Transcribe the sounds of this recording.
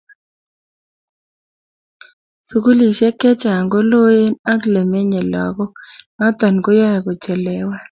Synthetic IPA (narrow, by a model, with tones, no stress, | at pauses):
su˨ku˦li˨ʃɛ˦kɛ˦t͡ʃa˨ŋɡo˦lo˦je˦na˦kle˨me˦ɲe˨lɔ̰˨ɡɔ˦ma˦t̪ɔ˨nɡo˦ja˦ja˨ɡo˨t͡ʃɛ˨lɛ˨wɛ˦